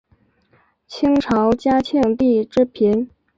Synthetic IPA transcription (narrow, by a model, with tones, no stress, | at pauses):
t͡ɕʰi˥ŋʈ͡ʂʰɑ˧˥ʊt͡ɕja˥t͡ɕʰɛ˥˧ŋt̪i˥˩ʈ͡ʂɻ̩˥˩pʰi˧˥n